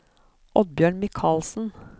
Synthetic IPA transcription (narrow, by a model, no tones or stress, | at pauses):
ʔɔd̪̚bjøːɳmɪkʰɑːlsn̩